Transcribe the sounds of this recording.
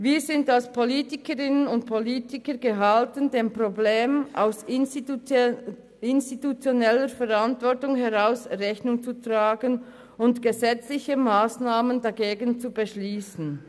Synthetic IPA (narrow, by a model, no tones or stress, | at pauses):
viːɾzɪndalspʰoliːtɪkəɾɪnənʊnt̚pʰoliːtɪkəɾɡəɦaltəndeːmpʁobleːmʔa̰ʊs | ɪnstitut͡sjonɛləɾfɛʁantvɔɐtʊŋɦɛʁaʊsʁɛçnʊŋt͡sutʁaːɡən | ʊntɡ̥əzɛt͡slɪçəmaːsnaːməndaɡeːɡən̩t͡subəʃliːsn̩